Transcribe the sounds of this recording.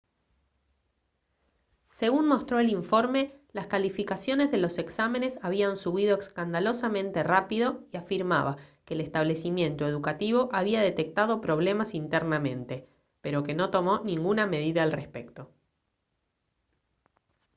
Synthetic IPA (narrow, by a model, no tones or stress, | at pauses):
se̞ɣunmo̞st̪ɾo̞eliɱfo̞ɾme̞laskalifikasjo̞ne̞zðe̞lo̞se̞ksame̞ne̞saβiansuβ̞ið̞o̞ekskand̪alo̞samẽ̞nt̪e̞rapiðo̞iafiɾma̰βakeːlest̪aβle̞simje̞nt̪oe̞ðukat̪iβo̞ʔaβiaðe̞t̪e̞k̚t̪að̞o̞pɾo̞β̞le̞masint̪eɾnamẽ̞̰nt̪e̞ | pe̞ɾo̞ke̞no̞t̪o̞mo̞nĩŋɡuname̞ð̞iðaːlrespe̞kt̪o̞